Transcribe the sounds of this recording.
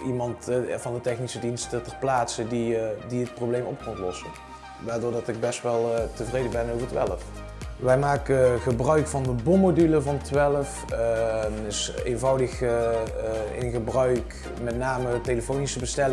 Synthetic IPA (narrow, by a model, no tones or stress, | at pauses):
ʔimɑntvɑndətɛxnisədinstətərplaːtsədidiət̚prowblejmɔp̚kɔntlɔsən | ʋaːɹdʊːɹdɑtɪɡ̚bɛstʋɛlˠtəvrejdəbɛnowvəɹtʋɛ̰ləf | ʋɛjmaːkəɣəbrœɥkfɑndəbomodyləvɑntʋɛləf | ɪsḛjnvɑwdəx | ɪ̰nɣəbrœɥk | mɛtnaːməteləfownisəbəstɛl